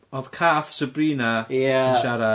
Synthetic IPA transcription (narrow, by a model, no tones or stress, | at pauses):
ɔð̥kʰaːθsəbriːnajaʃaɾa